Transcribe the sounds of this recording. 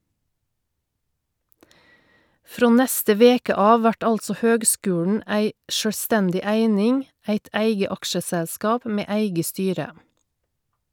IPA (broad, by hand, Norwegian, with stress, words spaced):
ˈfɾoː ˈnɛstə ˈʋeːkə ˈɑːʋ ˈʋæʈ ˈɑlsɔ ˈhøːɡˌskʉːɳ̩ ˈæɪ ʃœˈstɛndɪ ˈæɪnɪŋ ˈæɪt ˈæɪɡə ˈɑkʃəsɛˌskɑːp ˈmeː ˈæɪɡə ˈstyːɾə